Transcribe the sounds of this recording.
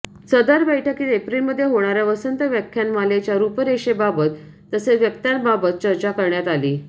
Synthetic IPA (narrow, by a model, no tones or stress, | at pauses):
t͡səd̪aɾbəjʈʰəkiːt̪epɾilməd̪ʱːjeɦoɽ̃aɾjaʋəsənt̪əʋjakʰjanmalet͡ɕjaɾupəɾeɕebabət̪ː | əseʋjəkt̪janbabət̪̚t͡ɕəɾt͡ɕakəɾɳjat̪aliː